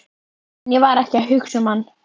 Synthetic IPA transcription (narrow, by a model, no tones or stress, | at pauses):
njɛvaɾɛhcaɦʏxsʏmanː